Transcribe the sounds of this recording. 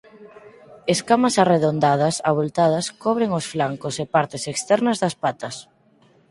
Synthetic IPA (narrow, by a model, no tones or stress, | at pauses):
eskamɐsareðond̪að̞ɐsaβolt̪að̞ɐskɔβɾeŋosflaŋkosepaɾt̪ɪsekst̪ɛɾnɐzðɐspat̪ɐs